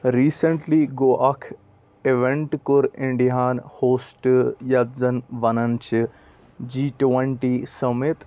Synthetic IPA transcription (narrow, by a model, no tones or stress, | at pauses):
ɾiːsəɳʈliɡoːʔɐkʰ | eʋẽɳʈkʊɾɪ̃ɳɖiɦaːnhoːsʈjɐzɐnʋɐnɐnt͡ʃʰi | d͡ʒiːʈʋɐɳʈiːsɐmɪt̪